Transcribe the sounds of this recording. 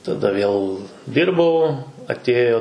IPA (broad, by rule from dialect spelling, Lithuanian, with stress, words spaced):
tɐˈdɐ ʋʲeːlˠ ˈdʲɪrbɐʊ ɐtʲˈeːjoː